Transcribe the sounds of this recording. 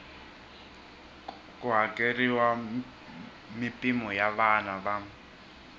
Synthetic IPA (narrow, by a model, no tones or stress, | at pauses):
kʼuɦakʼeriwa | mipʼimɔjaβanaβa